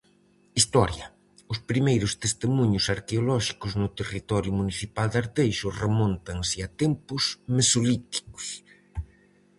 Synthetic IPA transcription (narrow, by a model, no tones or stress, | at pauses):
ist̪ɔɾjɐ | ʊspɾimejɾʊst̪est̪emuɲʊsaɾkeolɔʃi̥kʊznʊt̪erit̪ɔɾjʊmuniθipald̪aɾt̪ejʃʊremõnt̪ɐŋsɪɐt̪empʊzmesolit̪i̥kʊ̥s